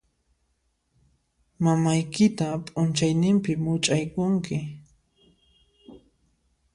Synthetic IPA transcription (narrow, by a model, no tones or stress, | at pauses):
mamajkɪt̪apʼʊnt͡ʃajnɪmpɪmʊt͡ʃʼajkʊŋkɪ